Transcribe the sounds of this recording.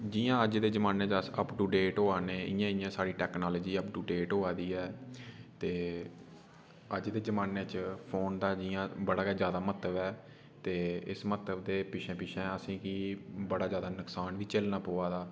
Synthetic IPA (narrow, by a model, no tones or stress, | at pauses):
d͡ʒɪːjãːəd͡ʒd̪eːd͡ʒəmaːneːt͡ʃəsəpʈuːɖeːʈɦoːaːneːɪjãːɪjãːsaːɽiːʈɛːknaːləd͡ʒiːəpʈuːɖeːʈoːaːd̪iːɛːt̪eː | əd͡ʒd̪eːd͡ʒəmaːneːt͡ʃpʰoːnd̪aːd͡ʒɪjãːbəɽaːezjaːd̪aːmət̪əbɛː | t̪eːɪ̰smət̪əbd̪eːpɪʃʰɛ̃ːpɪʃʰɛ̃ːəsĩːkiːbəɽaːd͡ʒjaːd̪aːnəksaːnʋiːt͡ʃəlnaːpoːaːd̪aː